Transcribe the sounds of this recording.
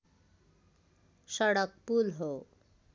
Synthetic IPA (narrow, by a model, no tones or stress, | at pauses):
sʌɽʌk̚pulɦo